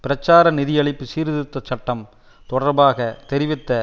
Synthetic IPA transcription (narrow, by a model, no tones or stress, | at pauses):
pɪɾɐt͡ʃːaːɾɐnɪðɪjɐɭɪpːɯsiːɾðɯt̪ːɐt͡ʃːɐʈːɐm | t̪ɔɽɐɾbaːɣɐt̪ɛɾɪʋɪt̪ːɐ